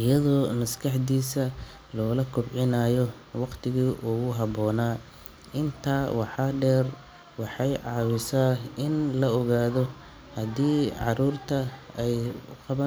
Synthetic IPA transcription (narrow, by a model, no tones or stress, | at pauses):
ʔɪjɐðɔːnɐskʰɑħd̪iːsɐ | lɔːlɐkʰʊbʕɪnaːjɔ | wɑqt̪ʰɪɣiːʔʊɣʊɦɑβɔːnaː | ɪnt̪ʰaːwɑħɑɖɛːr | wɑħɑjʕɑːwɪsaːɪnlɐɔɣaːðɔ | hɐd̪iːʕɑɾuːrt̪ʰɐɛjqɑβɐ